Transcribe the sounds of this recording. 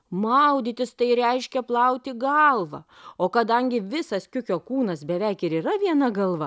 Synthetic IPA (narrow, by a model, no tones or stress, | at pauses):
mɐʊd̪ʲɪt̪ʲɪst̪ɐɪɾʲɛɪʃʲkʲɛplˠɐʊt̪ʲɪɡɐlˠʋɐ | oːkɐd̪ɐŋʲɡʲɪʋʲɪsɐskʲʊkʲoːkuːnɐsbʲɛʋʲɛɪkɪɾiːɾɐʋʲiɛnɐɡɐlˠʋɐ